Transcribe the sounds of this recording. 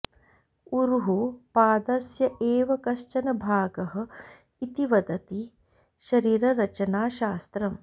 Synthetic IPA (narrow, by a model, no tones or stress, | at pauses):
uɾuɦupaːd̪ɐsjɐʔeːʋɐkɐʃt͡ʃɐnɐbʱaːɡɐɦɐ̆ | it̪iʋɐd̪ɐt̪i | ʃɐɾiːɾɐɾɐt͡ʃɐnaːʃaːst̪ɾɐm